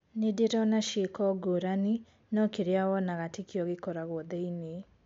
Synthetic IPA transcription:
nedeɾɔnaʃekɔɡoɾani | nɔkeɾeawɔnaɣatekijɔɣekɔɾaɣwɔðɛine

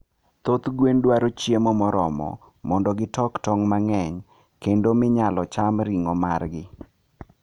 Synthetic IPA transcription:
t̪ot̪ɡwendwaɾot͡ʃjemɔmɔɾɔmɔ̰ | mɔndɔɡɪtɔktɔŋmaŋɛɲ | kendomɪɲalɔt͡ʃamɾiŋɔmarɡɪ

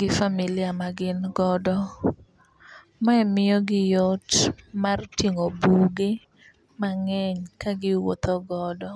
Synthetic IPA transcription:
ɡɪfamilɪamaɡɪnɡɔdɔ | maɛmɪɔɡɪjotmartjeŋobuɡe | maŋɛɲkaɡɪwo̰t̪ɔɡɔdɔ

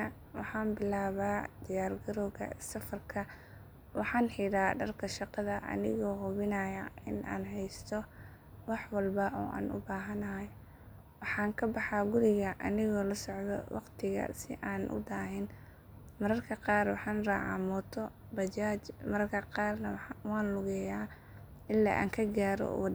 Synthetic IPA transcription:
ɐ | wɑħɑːnbɪlaːβaːd̪ɪjaːrɡɐɾɔːɣɐ̰sɐfɐrkʰɐ | wɑħɑːnħɪɾaːɖɐrkʰɐʃɑqɑðɐʔɐ̰nɪ̰ɣɔːɦʊβɪnajɐɪ̰nʔa̰ːnɦɛjst̪ʰɔ | wɑħwɑlbɐʔɔ̰ːʔa̰ːnʊ̰baːɦɐnɐɦɐj | wɑħɑːŋkʰɐbɑħɑːɡʊɾɪɣɐʔɐnɪɣɔːlɐsɔʕðɔ̰wɑ̰qt̪ʰɪɣɐ̰sɪ̰ʔaːnʔʊ̰d̪aːɦɪn | mɐɾɐrkʰɐqɑːrwɑħɑːnraːʕɑ̰mɔt̪ʰɔ | bɐt͡ʃaːt͡ʃmɐɾɐrkʰɐqɑːrnɐwħwɑːnlʊɣɛjaː | ɪlːa̰ːʔa̰ːŋkʰɐɡaːɾɔ̰

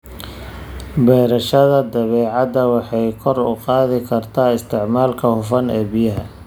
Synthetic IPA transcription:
bɛːɾɐʃɐðɐd̪ɐβɛːʕɑd̪ɐwɑħɑjkʰɔrʊ̰qɑːðɪkʰɐrt̪ʰaːɪst̪ʰɪʕmaːlkʰɐhʊfɐnɛːbijɐɦɐ

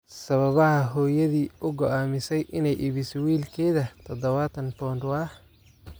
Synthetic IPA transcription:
sɐβɐβɐɦɐɦɔːjɐðiːʔʊɡɔʔaːmɪsɛjʔɪnɛjʔɪβɪsɔwiːlkʰɛːðɐt̪ʰɔd̪ɐβaːt̪ʰɐnpɔːnʊɐh

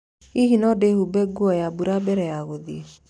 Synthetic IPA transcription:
iɦinɔdehubɛɡuɔjabuɾabɛɾɛjaɣoðie

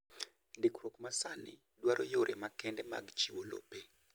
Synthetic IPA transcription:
ndikɾokmasanɪ̰ | dwaɾʔojoɾʔemakɛndɛma̰ɡt͡ʃiwolo̰pe

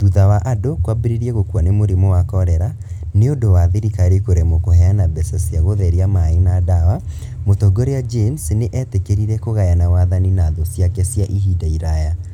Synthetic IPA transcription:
ðuðawaʔadokwabeɾeɾiɛɣokwanemoɾemowakɔɾɛɾa | neondowaðeɾikaɾekoɾɛmɔkoɦɛanabɛsasjaɣoðɛɾiamaenadawa | motɔɡoɾead͡ʒemsneʔɛtekeɾiɾɛkoɣajanawaðaninaðosjakɛsjaʔihidaiɾaja

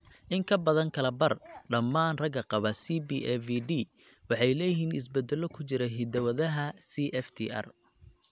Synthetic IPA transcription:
ʔɪŋkʰɐbɐðɐŋkʰɐlɐbɐrɖɐmːaːnrɐɡɐqɑβɐsibiʔɛfiɖiː | wɑħɑjlɛːjɪɦiːnɪ̰s̬bɛd̪ɛlɔkʰʊt͡ʃɪɾɛɦɪd̪ɐwɐðɐɦɐsiʔɛft̪ʰḭʔɐ̰r

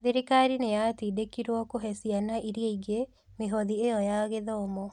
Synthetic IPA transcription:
ðiɾikaɾinejatiːdekiɾwɔkoɦɛsianaʔiɾjeiɡe | meɦɔðiejɔjaɣeðɔomɔ

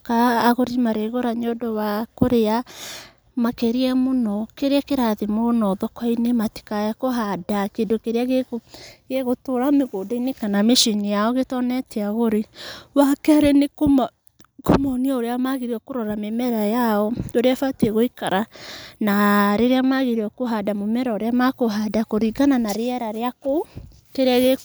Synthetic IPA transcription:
kaːɣoɾimaɾeɣoɾaɲɔdɔwakoɾea | makeɾiɛmonɔkeɾeakeɾaðemonɔðɔkɔinemati̥kajakɔɦadakeːndokeɾeaɣeoɣeɣotoɾameɣoːdainekanameʃinijaɔɣetɔnɛtɛaɣoɾewakɛaɾɛnekom | komɔniaoɾeamaɣeɾiɔkoɾɔɾamemɛɾajaɔoɾeafatiɛɣoikaɾanaɾeɾeamaɣeɾeɔkoɦadamomɛɾaoɾeamakoɦadakoɾiɣananaɾeɛɾaɾeako | keɾeaɣe

